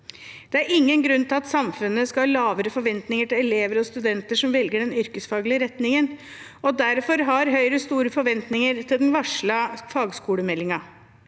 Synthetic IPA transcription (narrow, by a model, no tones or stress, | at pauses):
d̪̥ɛæɾɪŋːənɡɾʉnːt̪ʰɪlɑt̪sɑmfʉnːəskɑɑːlɑːʋəɾəfɔɾʋɛnt̪nɪŋəʈɪlɛleːʋəɾɔst̪ʉd̪ɛnt̪əʂɔmʋɛlɡəɖɛnʏɾkəsfɑːɡlɪəɾɛt̪nɪŋən | ɔd̪æɾfɔɾɦɑɾɦœʏɾəst̪uːɾəfɔɾʋɛnt̪nɪŋəɾt̪ʰɪld̪ɛnʋɑʂɭəfɑːɡskuːɽəmɛlːɪŋɑ